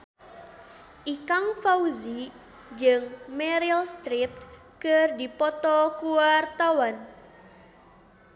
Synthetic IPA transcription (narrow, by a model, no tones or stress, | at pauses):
ʔikaŋfauzi | d͡ʒɨŋmɛɾialst̪ɾip̚t̪̚ | kərdipɔt̪ɔkuwart̪awan